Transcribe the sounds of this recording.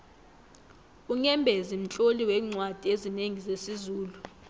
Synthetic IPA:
uŋɛmbʱezim̩t͡ɬʼoliwɛːŋ͡ǀwad̥ʱiezineŋizesizuːlu

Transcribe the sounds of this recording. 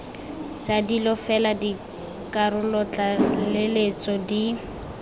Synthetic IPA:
t͡sadilɔfɛladi | kʼarʊlɔt͡ɬalelet͡sʼɔdi

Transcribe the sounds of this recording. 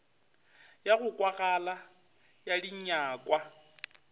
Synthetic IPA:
jaɣʊkʼwaɣala | jadiɲaːkʼwa

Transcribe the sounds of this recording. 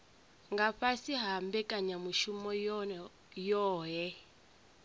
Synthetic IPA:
ŋɡaɸasiɦambɛkʼaɲamuʃumɔ | jɔːɦɛ

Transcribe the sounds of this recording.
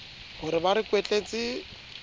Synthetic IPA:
ɣʊɾɪbaɾɪkwet͡ɬʼet͡sʼɪ

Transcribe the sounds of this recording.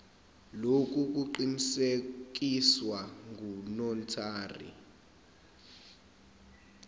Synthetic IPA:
lok̬ʼuk̬ʼuǃinisek̬ʼiswaŋʱunɔntʰaːrḭ

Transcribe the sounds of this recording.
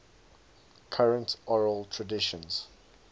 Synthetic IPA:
kʰaɹə̃ntɔɹəlˠtʰɹədɪʃə̃nz̥

